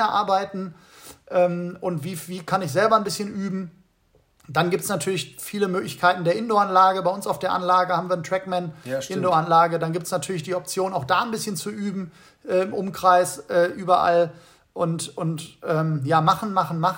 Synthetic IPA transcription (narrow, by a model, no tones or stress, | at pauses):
ɛɐʔa̰ɐbaɪtn̩ | ʔɛːmʔʊntv̥iːviːkʰanɪçz̥ɛlbɐnbɪsçənʔyːbm̩ | d̥anɡiːp̚tsnatʰyːɐlɪçfiːləmøːklɪçkʰaɪtn̩deːɐʔɪndoanlaːɡəbaɪʊnsaʊfd̥eːɐʔa̰nlaːɡəhaːbm̩viːɐntʁ̥ɛkmɛnʔɪndoanlaːɡədanɡiːptsnatʰyːɐlɪçd̥iːɔp̚t͡sjoːnaʊxd̥aːnbɪsçənt͡suʔyːbm̩ | ʔɛːɪmʔʊmkʁ̥aɪsʔɛːʔyːbɐʔa̰l | ʔʊntʊntʔɛːmjaːmaχn̩maχn̩maχ